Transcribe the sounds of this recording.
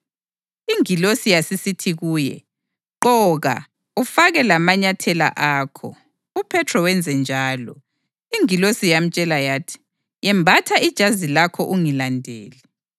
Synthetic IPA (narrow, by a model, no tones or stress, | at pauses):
iŋilosijasisitʰiɣuːjɛ̰ | ǃɔɣa̰ | ufaɣɛlamaɲatʰɛla̰ʔaːkʰɔ̰ | upʰɛtʰrɔwɛnd͡zʱɛnd͡ʒʱaːlɔ̰ | iŋilosijam̩t͡ʃʼɛlajaːtʰi̥ | jɛmbʱatʰaʔid̥ʒ̥ʱazilakʰɔʔuŋilandʱḛːlɛ